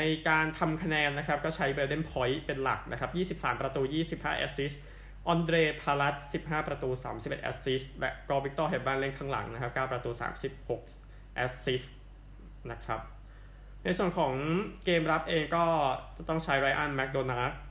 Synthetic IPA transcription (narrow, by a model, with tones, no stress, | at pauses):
na˧jkaː˧nt̪ʰa˧mkʰa˧nɛː˧nːa˦˥kʰɾa˦˥p̚kɔː˥˩t͡ɕʰa˦˥jbeː˧de˥˩npʰɔ˦˥jpe˧nla̰˨˩k̚na˦˥kʰɾa˦˥p̚jiː˥˩si˨˩p̚saː˩˦mpɾa˧t̪uː˧jiː˥˩si˨˩p̚haː˥˩ʔɛ̰ː˦˥si˦˥s | ʔɔː˧ndɾeː˧pʰaː˧la˦˥t̪̚si˨˩p̚ɦaː˥˩pɾa˧t̪uː˧sa̰ː˩˦msi˨˩p̚e˨˩ʔɛ̰˦˥si˦˥slɛ˦˥ʔkɔː˥˩wi˦k̚t̪ɔː˥˩ɦe˨˩baː˥˩nle˥˩ŋkʰaː˥ŋla̰˩˦ŋna˦˥kʰa˦˥p̚kaː˥˩pɾa˧t̪uː˧sa̰ː˩˦msi˨˩p̚ho˨˩k̚ | ʔɛː˦˥tsi˦˥s | na˦˥kʰɾa˦˥p̚ | na˧jsu˨˩ənkʰɔː˩˦ŋkeː˧mɾa˦˥p̚ʔeː˧ŋkɔː˥˩t͡ɕa˨˩t̪ɔ˥˩ŋt͡ɕʰa˦˥jɾaː˧jʔa˥˩nmɛ˦˥k̚doː˧na˦˥t̪̚